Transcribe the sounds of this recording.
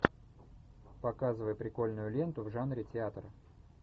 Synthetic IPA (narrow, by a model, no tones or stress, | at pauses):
pɐkazɨvəjpɾʲɪko̞lʲnʊjʊlʲe̞nt̪ʊvʐanɾʲɪtʲɪat̪ɾə